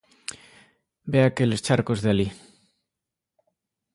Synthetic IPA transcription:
beakelest͡ʃaɾkozðeali

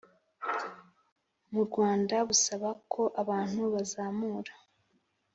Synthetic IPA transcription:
muɾɡwaːndaβusaβakʰo̞ʔaβaːn̥huβazaːmuːɾḁ

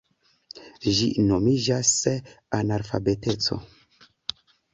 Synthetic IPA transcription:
ʒino̞mid͡ʒas | anaɾfa̰be̞te̞t͡so̞̰

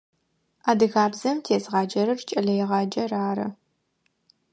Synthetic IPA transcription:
aːdɨɣaːbzɐmtʰeːzʁɑːd͡ʒɐɾɨrt͡ʃʼɐɮɐjɛʁɑːd͡ʒɐraːɾɐ̰

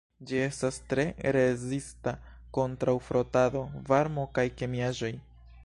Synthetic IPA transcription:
d͡ʒie̞stastɾe̞ɾe̞zista | ko̞ntɾawfɾo̞tado̞vaɾmo̞kajke̞miaʒo̞j

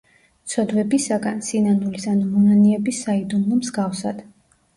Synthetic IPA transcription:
t̪sʰɔd̪vɛbisaɡansinanulisanumɔnaniɛbisːaid̪unlˠɔmzɡafsad̪̥

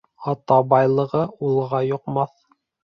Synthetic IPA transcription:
ɑt̪ɑbɑjlˠɤ̆ʁɤulˠʁɑjŏqmɑθ

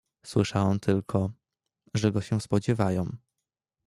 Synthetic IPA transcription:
swɘʂawɛmt̪ʰɘlkʰɔ | ʐɛɡɔɕɛ̃spɔd͡ʑɛvajɔ̃w̃

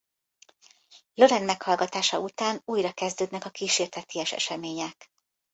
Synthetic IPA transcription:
lo̞ɾɛnmɛkhɒlɡɒt̪aːʃɒut̪aːnuːjrɒkɛzd̪øːd̪nɛkɒkiːʃeːrt̪ɛt̪iɛʃɛ̰ʃɛmeːɲɛk

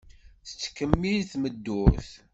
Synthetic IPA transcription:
θə̥t͡sːkːəmːilθməd̪ːʊɾθ

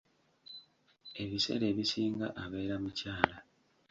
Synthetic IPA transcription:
e̞βise̞̰ɾe̞ːβisiːŋɡa̰ʔaβe̞ːɾamucaːla

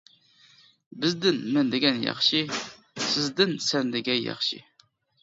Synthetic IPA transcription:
bɨzd̪ɨnmɨnd̪ɨɡʲɛnjɑ̰χʃi | sɨzd̪ɨnsɛnd̪ɪɡʲɛjɑ̰χʃḭ

